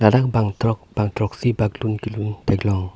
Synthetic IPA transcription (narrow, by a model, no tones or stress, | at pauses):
ladak̚baŋt̪ɾɔk̚b̥aŋt̪ɾɔk̚sibaɡlunkilunt̪aɡlɔŋ